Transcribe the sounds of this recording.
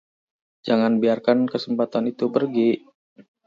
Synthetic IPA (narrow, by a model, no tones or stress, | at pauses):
d͡ʒaŋanbiarkankəsəmpat̪anit̪upərɡi